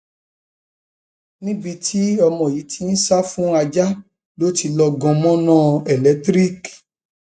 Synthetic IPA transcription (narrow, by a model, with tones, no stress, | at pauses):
nĩ˦bi˧tʰi˦ɔ˧mɔ̃˨ji˨˦tʰi˨˦n̩˦sa˦fũ˦a˧d͡ʒa˦ | lo˦ti˧lɔ˧ɡɔ̃˧mɔ̃˦nã˦ɛ˨lɛ˨˦tɾi˦k